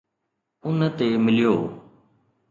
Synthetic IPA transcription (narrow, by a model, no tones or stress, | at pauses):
ʊnt̪eːmɪlɪjoː